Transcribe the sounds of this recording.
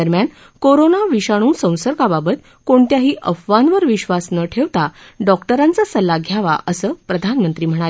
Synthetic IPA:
əɾmjan | koɾonaʋiɕaɽ̃ũːsə̃w̃səɾkababət̪ | koɳt̪jaɦiːʔəfʋanʋəɾʋiɕʋasnəʈʰeʋt̪aɖɔkʈəɾãnt͡sasəlːaɡʱjaʋa̰ʔəsəːpɾəd̪ʱanmənt̪ɾiːm̤əɽ̃al

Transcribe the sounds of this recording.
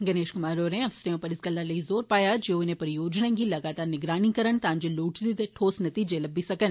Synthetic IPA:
ɡɐneːʃkʊmaːɾoːɾẽɐʋsɾeõpɐɾɪsɡɐlːalɐizoːɾpaːjad͡ʒenẽpɐɾijoːd͡ʒnaɡilɐɡaːt̪aːɾnɪɡɾaːnikɐɾəɳ̃t̪ãːɲd͡ʒeloːʈd̪it̪ʈʰoːsnɐt̪iːd͡ʒelɐbisɐkən

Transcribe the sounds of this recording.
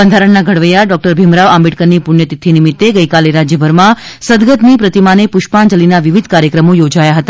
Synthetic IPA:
bənd̪ʱaɾəɳnːaɡʱəɽʋəjaɖɔk̚ʈəɾbʱimɾaʋãmbiʈkənnipuɳjət̪it̪ʰːinimit̪ːeɡəjkaleɾad͡ʒjəbʱəɾmãsəd̪ɡət̪nipɾət̪imanepuʃpaɳd͡ʒəlinaʋiʋid̪ʱkaɾjəkɾəmojod͡ʒajaɦət̪a

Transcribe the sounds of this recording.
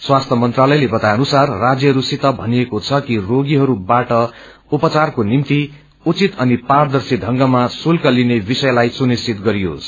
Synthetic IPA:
swast̪ʰjʌmʌnt̪ralʌjlebʌt̪ajʌnusarːad͡zjʌɦʌɾusit̪ʌbʱʌniekot͡sʰʌkiroɡiɦʌɾubaʈʌ | upʌt͡sarkonimt̪i | ut͡sit̪ʌnipard̪ʌrsidʱʌŋɡʌmasulkʌlinebisʌjlajsunist͡sit̪ɡʌɾijo̰sʰ

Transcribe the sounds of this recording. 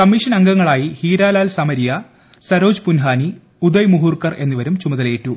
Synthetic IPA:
kɐmːiʂɐnɐŋɡɐŋːɐɭaːjihiːɾaːlaːlsɐmɐɾijɐ | sɐɾoːd͡ʑpunɦaːni | ud̪ɐjmuɦuːrkɐre̞nːuʋɐɾumt͡ɕumɐðɐleːtːu

